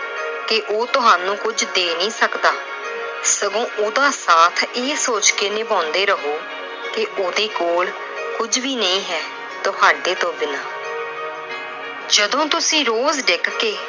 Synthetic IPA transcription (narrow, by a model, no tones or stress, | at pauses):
kɪʔoːt̪ʊɦaːnũːkʊd͡ʒd̪eːnĩːsəkd̪aː | səɡõːʔoːd̪aːsaːt̪ʰeːsoːt͡ʃkeːnɪpãːnd̪eːɾəɦoː | kɪʔoːd̪eːkoːl | kʊd͡ʒʋiːnəĩːɦɛː | t̪ʊɦaːɖeːt̪õːbɪnaː | d͡ʒəd̪õːt̪ʊsĩːɾoːzɖɪkkeː